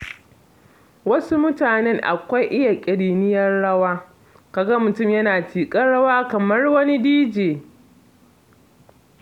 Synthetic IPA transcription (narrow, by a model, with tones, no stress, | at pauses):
wɐ˦su˦mʊ˦taː˨nɛ˦ŋʔa̰˨kʷa˦jʔɪ˦ja˨kʲʼɪ˨ɽiː˨nɪ˦jɐ˦rɽɐ˦waː˦ | ka˨ɡɐ˦mʊ˨tʊ˦˨mjɐ˦naː˨tiː˨kʼɐ˦nɽɐ˦waː˦kɐ˨mɐ˦rwɐ˦ni˦diː˦d͡ʒeː˨